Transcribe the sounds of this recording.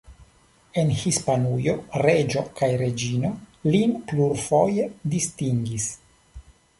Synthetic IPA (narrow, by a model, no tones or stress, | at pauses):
e̞nhispanujo̞ɾe̞d͡ʒo̞kajɾe̞d͡ʒino̞linpluɾfojedistiŋɡis